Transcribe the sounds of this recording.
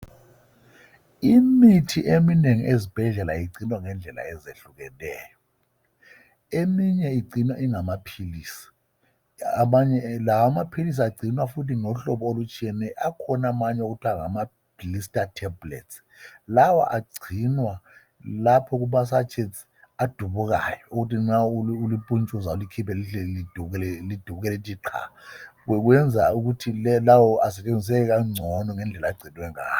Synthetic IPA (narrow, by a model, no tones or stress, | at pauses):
imitʰiʔemineŋiʔezib̥ʱɛɮɛla̰jiǀinwaŋɛnd͡ɮʱɛla̰ɛzeɬuk̬ɛlɛ̰ːjɔ | emiɲɛiǀʱinwaʔiŋamapʰiliːsi̥ | maɲɛlawamapʰilis̬iaɡ͡ǀʱinwafut̬ʰinɔɬɔɓɔolut͡ʃʼiɛnɛʔakʰɔnamaɲɛok̬utʰwaŋa̰ma | b̥ilistʼatʰɛblḛts | lawɔ̰ʔaɡ͡ǀʱinwa | lapʰɔk̬umas̬at͡ʃʰʼes | ad̥ʱuβuk̬a̰jɔuɣutinaululipʼunt͡ʃʼuzaulikʰipʰɛliɬɛlid̥ʱuk̬ɛlɛlid̥ʱuβuɣ̬kɛlɛtʰʼiǃʰa̰kwɛk̬wɛnd͡zʱauk̬utʰilɛlawɔasɛt͡ʃʼend͡zʱis̬ɛk̬ɛk̬aŋ͡ǀʱɔnɔŋɛnd͡ɮʱɛlaɡ͡ǀʱinwɛŋa̰ː